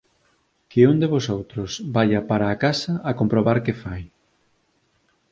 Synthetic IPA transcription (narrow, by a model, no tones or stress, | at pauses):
kɪond̪eβosowt̪ɾʊsbaʎɐpaɾaːkasɐʔːkompɾoβaɾkefaj